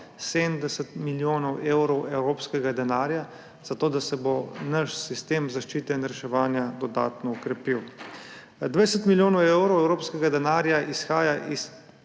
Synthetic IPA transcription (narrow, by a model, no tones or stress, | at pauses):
sed̪nd̪ɛsɛt̪miljoːnɔwewɾɔwɛwɾoːpskɛɡad̪ɛnaːɾja | z̥at̪oːd̪asɛbonaʃsist̪eːmzaʃt͡ʃiːt̪ɛnɾɛʃɛʋaːnjad̪ɔd̪a̰ːt̪nɔɔkɾɛpiw | d̪ʋasɛt̪miljoːnɔwewɾɔwɛwɾoːpskɛɡad̪ɛnaːɾjaʔisxaːjaʔis